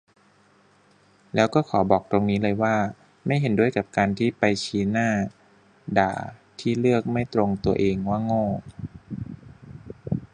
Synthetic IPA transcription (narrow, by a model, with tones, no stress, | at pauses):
lɛː˦˥wkɔː˥˩kʰɔː˩˦bɔː˨˩k̚t̪ɾo˧ŋniː˦˥lɤː˧jwaː˥˩ | ma˥˩jɦe˩˦ndu˥˩əjka˨˩p̚kaː˧nt̪ʰiː˥˩pa˧jt͡ɕʰiː˦˥naː˥˩ | da̰ː˨˩t̪ʰiː˥˩lɯ˥˩ək̚ma˥˩jt̪ɾo˧ŋt̪u˧ɐʔeː˧ŋwaː˥˩ŋoː˥˩